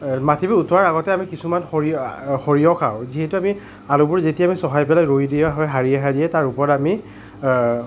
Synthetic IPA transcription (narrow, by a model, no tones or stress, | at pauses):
matʰibɛutɔaɹaɣɔtɛamikisumanxoɹixoɹijɔkʰa̰w̃ziɦɛtuami | alʊbʊɹzetiamisɔɦajpɛlajɹojdijɛɦɔjɦaɹiɛɦaɹiɛtaɹupɔɹɔtami